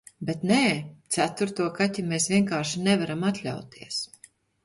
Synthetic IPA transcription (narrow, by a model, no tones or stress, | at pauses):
bet̪nɛːt̪sæt̪uɾt̪uɔkat̪ʲimeːsvʲiɛŋkaːɾʃinɛvaɾamat̪lʲa̰wt̪iəs